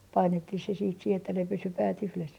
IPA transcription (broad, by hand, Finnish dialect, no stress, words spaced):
pɑinetːih se siːt sih etːæ ne pysy pæːt yhles